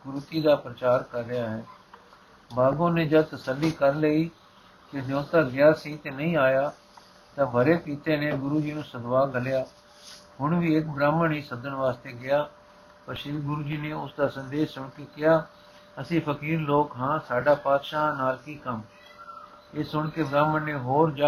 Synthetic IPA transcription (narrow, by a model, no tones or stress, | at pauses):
ɡʊɾʊt̪iːd̪aːpɾət͡ʃaːɾkəɾːɪjaːɦɛː | baːɡõːneːd͡ʒəd̪̚t̪əsəlːiːkəɾləiː | kɪd̪õːt̪aːɡɪjaːsĩːt̪enəĩːaːjaː | t̪ãːbʱəɾeːpiːt̪eːneːɡʊɾuːd͡ʒiːnũːsəd̪ʋaːɡəlɪjaː | ɦʊɳʋiːɪkbɾaːməɳiːsəd̪əɳʋaːst̪eːɡɪjaː | pəɾʃiːɡʊɾuːd͡ʒiːneːʊsd̪aːsə̃nd̪eːssʊɳkeːkɪjaː | əsĩːpʰəkiːɾloːkɦãːsaːɖaːpaːd̪ʃãːnaːɾkiːkəm | eːsʊɳkebɾaːməɳnẽːɦoːɾd͡ʒaː